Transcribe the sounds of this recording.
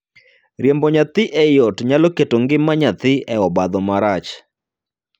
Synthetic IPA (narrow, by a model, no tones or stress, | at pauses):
ɾjembɔɲat̪ɪʔɛjɔtɲalɔketoŋɡɪmaɲat̪ɪɛɔbad̪ɔmaɾat͡ʃ